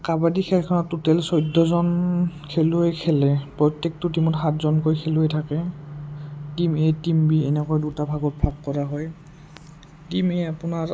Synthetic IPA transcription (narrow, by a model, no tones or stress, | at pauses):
kabadikʰɛlkʰɔnɔtːutɛlsɔjdːɔzɔnkʰɛluɛkʰɛlɛpɹɔjtːɛk̚tʊtimɔtxatzɔnkojkʰɛluɛtʰakɛ | timetimbiɛnɛkɔjdutabʱaɡɔt̚pʰap̚kɔɹaɦɔj | timeapʊnaɹ